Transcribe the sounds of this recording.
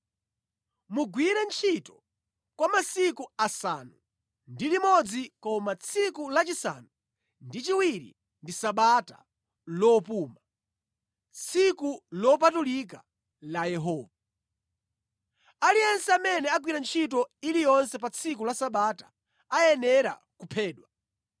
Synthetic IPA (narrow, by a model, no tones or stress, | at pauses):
muɡwiɾɛnt͡ʃʰitɔ̥ | kwamasikuasa̰nu | ndilimɔd͡zikɔmat͡sʰikulat͡ʃisa̰ːnu | ndit͡ʃiwiɾḭ | ndisaɓata̰ | lɔpuːma | t͡sikulɔp̬atulik̬a | lajɛɦɔːva | aliɛnsɛamɛnɛak̬wiɾant͡ʃʰit̬ɔilijɔnsɛpat͡sʰik̬ulasaɓatḁː | jɛnɛɾa | kupʰɛːɗwa